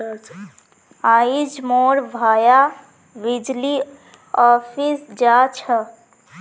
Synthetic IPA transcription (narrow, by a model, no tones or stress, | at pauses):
aid͡ʒmoɾbʱaja | ʋid͡ʒli | ɔpʰisd͡ʒat͡ʃʰə